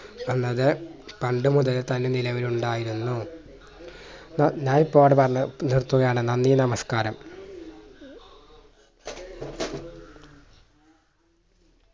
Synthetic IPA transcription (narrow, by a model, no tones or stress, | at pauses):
ʋenːɐðɨpɐɳɖɨmuðɐlt̪ɐnːenilɐʋiluɳɖaːjiɾunːu | nɲaːnipːoːɽepɐrɐɐnirt̪ːuɣɐjaːɳɨnɐnːijɐnɐmɐskaːɾɐm